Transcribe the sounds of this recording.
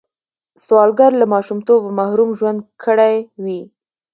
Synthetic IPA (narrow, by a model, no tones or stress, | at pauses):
swɑlɡaɾlamɑʃumt̪obmahɾumʒwand̪kʰəɽajwi